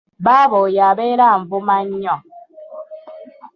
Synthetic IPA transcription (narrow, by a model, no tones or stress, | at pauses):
babɔjabeɾaɱ̩vumaɲɲɔ